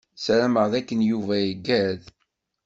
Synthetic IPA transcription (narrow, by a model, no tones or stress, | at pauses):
sɾæməʁðækːənjuvæjəɡːæð